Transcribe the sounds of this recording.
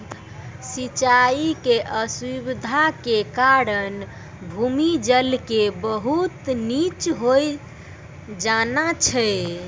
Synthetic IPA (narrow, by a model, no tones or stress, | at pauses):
sit͡ʃaikeʔəswibid̪ʱakekaɾən | bʱumid͡ʒəlkebəɦut̪nit͡ʃɦoj | d͡ʒanat͡ʃʰɛ